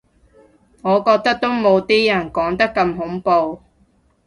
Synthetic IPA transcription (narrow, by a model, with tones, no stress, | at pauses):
ŋɔː˨˧kɔː˧k̚t̪ɐ˥k̚t̪o˥wmo˨˧wt̪iː˥jɐ˨˩nkɔː˨˥ŋt̪ɐ˥kːɐ˧mɦʊ˨˥ŋpo˧w